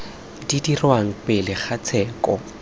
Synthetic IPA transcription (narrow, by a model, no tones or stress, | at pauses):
didirwaŋ̩pɪlɪχat͡sʰɛːkʼɔ